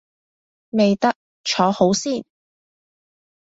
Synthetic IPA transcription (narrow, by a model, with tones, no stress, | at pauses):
me˨jt̪ɐ˥k̚ | t͡ʃʰɔː˨˥ho˨˥wsiː˥˩n